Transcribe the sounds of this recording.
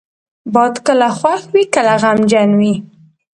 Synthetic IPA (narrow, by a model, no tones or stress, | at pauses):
bɑd̪kəlaxwaxwikəlaɣamd͡ʒanwi